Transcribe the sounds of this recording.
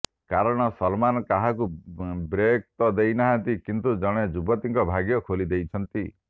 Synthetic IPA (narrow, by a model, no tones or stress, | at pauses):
kaɾɔɽ̃ɔsɔlmanɔkaɦakubɾek̚t̪ɔd̪ejnaɦãnt̪ikint̪ud͡ʒɔɽ̃ed͡ʒubɔt̪iŋkɔbʱaɡjɔkʰolid̪ejt͡ʃʰɔnt̪i